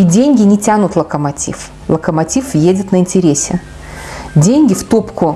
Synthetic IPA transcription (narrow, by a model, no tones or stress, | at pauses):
idʲenʲɡʲɪnʲɪtʲanʊt̪lˠəkəmɐtʲḭf | lˠəkəmɐtʲifjedʲɪt̪nəɪnʲtʲɪɾʲesʲɪ | dʲenʲɡʲɪft̪opkʊ